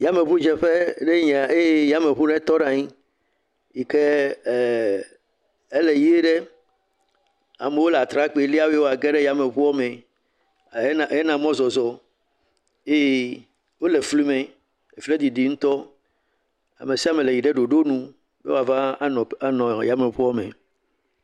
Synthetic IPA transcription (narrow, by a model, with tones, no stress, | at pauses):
ja˦me˨βu˦d͡ʒɛ˨ɸe˦ɖe˦ɲɛ˨a˨e˦ja˦me˨βu˦ɖɛ˦t̪ɔ˦nã˨ɲi˦ | ji˨ke˦˨ | e˦le˨ji˦e˦ɖe˦ | a̰˨me˨wo˦la˨t̪ɾa˦k͡pe˨˦li˦a˦we˦wo˦a˨ɡɛ˦ɖɛ˦ja˨me˨βu˦ɔ˦me˨˦˨ | je˦nã˨mɔ̃˦zɔ˨zɔ˨ | e˦e˦ | wo˦le˨fli˦mẽ˨ | e˨fi˦le˦d̪i˨d̪i˨ŋũ˦t̪ɔ˦ | a̰˨me˨si˦a˦me˨le˨ji˨ɖe˦ɖo˨ɖo˦nũ˦ | bḛ˦wo˦a˨vã˦nɔ̃˨a˦nɔ̃˨ja˦me˨ɸu˦ɔ˦mḛ˨